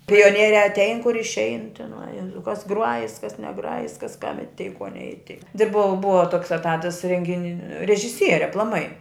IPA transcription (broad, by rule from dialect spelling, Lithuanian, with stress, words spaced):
pʲoːˈnʲiɛrʲæː ɐtʲˈɛɪn kʊr ɪʃʲˈɛɪn tʲɪˈnɐɪ ˈjæːzɐʊ kɐs ˈɡrʊɐjɪs kɐs nʲɛˈɡrɑːjɪs kɐs kɐm ɪˈtʲɛɪ koː nʲɛɪˈtʲɛɪ tʲɪ ˈbʊɐ ˈbʊɐ toːks ɛˈtɑːtɐs rʲɛŋʲɡʲɪˈnʲɪ rʲɛʒʲɪˈsʲiɛrʲɪ ɐplˠɐˈmɐɪ